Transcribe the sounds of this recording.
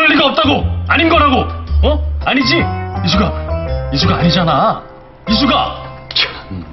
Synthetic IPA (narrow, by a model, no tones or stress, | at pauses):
ʌʎːiɡaʌp̚t͈aɡoaɲinɡʌɾɦaɡoʌaɲid͡ʑiis̬ʰuɡais̬ʰuɡaːɲid͡ʑana | is̬ʰuɡa | t͡ɕ